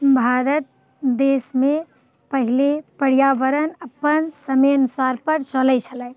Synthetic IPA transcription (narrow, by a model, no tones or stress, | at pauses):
bʱaɾət̪̚ | d̪eːsmẽ | pəɦilepəɾijaʋəɾənəpənsəmeənusaɾpəɾt͡ʃələjt͡ʃʰəlɛɪ